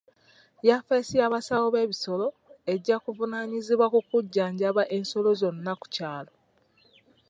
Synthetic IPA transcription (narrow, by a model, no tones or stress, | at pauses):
jafesijaβasawoβe̞ːβiso̞lo̞ | e̞ɟːakuvunaɲiziβwakukuɟːaːɲɟaβaʔe̞ːnso̞lo̞zo̞nːaku̥caːlo̞